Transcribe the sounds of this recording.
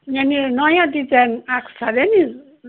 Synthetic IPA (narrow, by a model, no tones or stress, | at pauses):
jeninʌjãd̪it͡sanakʰsad̪eni